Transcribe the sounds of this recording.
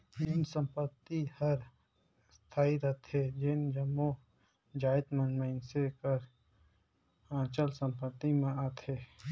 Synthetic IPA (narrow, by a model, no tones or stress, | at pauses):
nɪnsə̃mpət̪ːihɐɾ | st̪ʰaːiɾət̪ʰed͡ʒend͡ʒəmːo | d͡ʒaːɪt̪mənmənsekəɾ | ãːt͡ʃəlsə̃mpət̪ːimẽaːt̪eː